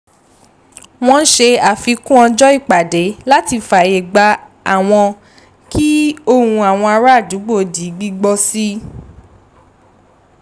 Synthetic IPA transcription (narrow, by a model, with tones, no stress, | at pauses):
w̃ɔ̃˦ʃe˧a˨fi˧kũ˦ɔ̃˧d͡ʒɔ˦i˦˨k͡pa˨de˨˦la˦ti˧fa˨je˨ɡ͡ba˧ | a˨w̃ɔ̃˧ | ki˦o˦hũ˧a˨w̃ɔ̃˧a˧ɾa˦˨du˨˦ɡ͡bo˦˨di˨˦ɡ͡bi˦ɡ͡bɔ˧si˦